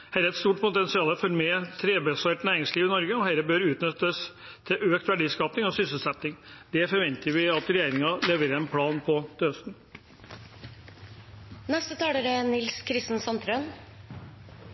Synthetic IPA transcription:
hæɾəɛt̪st̪uːʈpʰʊt̪ɛnsɪɑːləfɔɾmɛt̪ʰɾeːbɛsæʈnæːɾɪŋsliːʋɪnɔɾɡəɔɦæɾəbøɾʉːt̪nʏt̪ːəs | t̪ʰɪʔøːkt̪ʋæɖiːskɑːpnɪŋɔsʏsəl̩sɛt̪nɪŋd̪ɛfɔɾʋɛnt̪ʰəɾʋɪɑt̪ɾɛjæɪɾɪŋɑleʋəɾɛnpʰlɑːnpʰɔt̪ʰəœst̪n̩ | nɛst̪ət̪ʰɑːɽəɾɛnɪlskʰɾɪst̪n̩sɑnt̪ɾøn

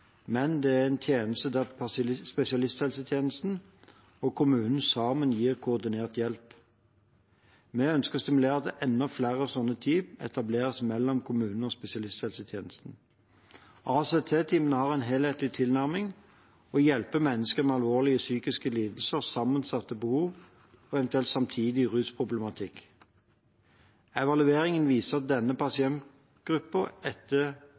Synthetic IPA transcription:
mɛnd̪ɛæʁɛnt̪ʰjeːnəst̪əd̪æpspɛsɪɑlɪst̪hɛlsət̪ʰjeːnəst̪n̩ | ɔkʰʊmʉːnn̩sɑːmənjiːʁkʰʊɔʁd̪ɪneːʁt̪jɛlp | mɛœnskəʁst̪ɪmʉleːʁt̪əʔɛnːɔflæːʁəsɔnːət̪ʰyːpɛ̰t̪ɑbleːʁəsmɛlːɔmkʰʊmʉːnn̩ɔspɛsɪɑlɪst̪hɛlsət̪ʰjeːnəst̪n̩ | ʔɑːseːt̪ʰeːt̪ʰiːmənəhɑːʁɛɪnɦeːlheːt̪lɪt̪ʰɪlnæʁmɪŋ | ɔjɛlpəmɛnːəskəmɛɑlʋoːʁlɪəsyːkɪskəliːd̪l̩səʁsɑmːənsɑt̪ːəbəhuːʋ | ɔɛʋɛnt̪ʉɛlt̪sɑmt̪ʰiːd̪ɪʁʉːspʰʁʊblɛmɑt̪ʰɪk | ɛʋɑlʉeːʁɪŋənʋiːsəʁɑt̪̚d̪ɛnːəpʰɑsɪɛnt̪ | ɡ̥ʁʉpːəɛt̪ːə

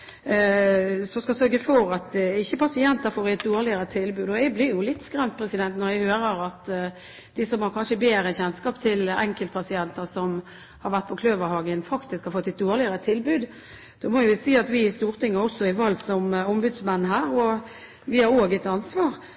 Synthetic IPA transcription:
sɔskɑsœɾɡəfɔɾɑt̪ɪçːəpʰɑsɪɛnt̪əɾfoːɾɪɛt̪̚d̪oːɾlɪəɾət̪ʰɪlbʉːd̪ɔɛblɪɾjʊlɪt̪ːskɾɛmt̪̚pʰɾɛsɪd̪ɛnt̪nɔɾjæhøːɾəɾɑt̪ | d̪̥ɪsɔmhɑɾkʰɑnʂəbeːɾəçɛnskɑːpt̪ʰɪlɛ̰ŋkəlt̪pʰɑsɪɛnt̪əsɔm | hɑɾʋæʁt̪̚pʰɔkʰløːʋəɾhɑːɡənfɑkt̪ɪskhɑɾfɔt̪ːɪt̪̚d̪oːʁlɪəɾət̪ʰɪlbʉːd̪ | d̪̥oːmɔːʋɪʋɪsiːɑt̪ʋɪɪst̪uːʁt̪ʰɪŋːəɔsːɔɪʋɑlsɔmɔmbʉd̪smɛnːɦæːɾɔ | ʋɪhɑɾoːɡɪt̪ːɑnsʋɑːʁ

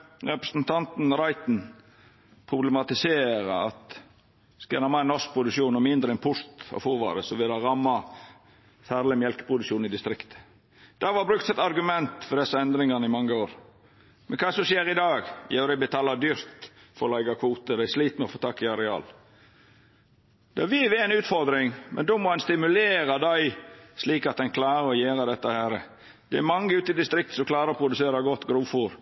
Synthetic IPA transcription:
ɾɛpɾəsnt̪ʰɑnt̪n̩ɾɑɪt̪n̩ | pʰɾʊbləmɑt̪ɪseːɾəɑt̪ | skɑɾɑmːɑɛnɔsk̚pʰɾʊd̪ʉʂuːnɔmɪnd̪ɾəɛnpʰʊɾt̪ɔ̰fuːʋɑ̰ːɾəsɔʋɪlɑɾɑmːɑ | fæːɾləmjɛlkə̥pʰʊd̪ʉkʃuːnɪd̪ɪst̪ɾɪkt̪ʰə̥ | d̪̥ɑʋɑbɾʉk̚t̪sɛt̪ɑɾɡʉmɛnt̪fɔɖ̪ɛsːəɛnd̪ɾɪŋɑnəɪmɑŋːəoːɾ | mɛnkʰɑːsɔmʃjeːɾɪd̪ɑːɡjæʉd̪æbət̪ʰɑːlɑd̪yːɾt̪ | fɔɾɔlɑɪɡɑkʰuːt̪əd̪ɛɪʂliːt̪mɛɔfoːt̪ʰɑkːɪɑɾɛɑ̰ːl | d̪̥ɛʋɪʋɛɛɪnʉːt̪fɔɾd̪ɾɪŋmʔɛ̰nd̪oːmɔɛnst̪ɪmʉleːɾɑd̪æɪsliːkɑt̪̚d̪ɛnkʰlɑːɾəɾɔjeːɾɑd̪ɛt̪ːəhæːɾə | d̪̥ɛæmɑŋːəʉːt̪ɪd̪ɪst̪ɾɪk̚t̪sɔmklɑːɾɑɾɔpʰɾʊd̪ʉseːɾɑɡɔt̪ːɡɾuːfuːɾ

